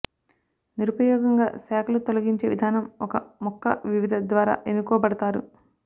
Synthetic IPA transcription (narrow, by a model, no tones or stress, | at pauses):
niɾupɐjɔːɡɐŋɡa̰ːsaːkʰɐlut̪olɐɡiɲt͡ʃeːʋid̪ʱaːnɐmɔkɐmɔkʰːɐ̰ʋiʋid̪ʱɐd̪ʋaːɾa̰ːʔenukɔːbɐɽɐt̪aːɾṵ